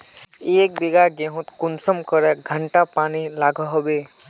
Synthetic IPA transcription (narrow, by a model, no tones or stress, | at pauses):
ek̚beɡaɾɡẽɦũt̪kunsəmkəɾɛɡʱəɳʈapanilaɡʱəɦɔbe